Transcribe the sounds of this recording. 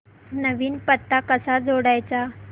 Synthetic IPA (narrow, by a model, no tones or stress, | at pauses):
nəʋiːnpət̪ːakəsad͡zoɽajt͡sa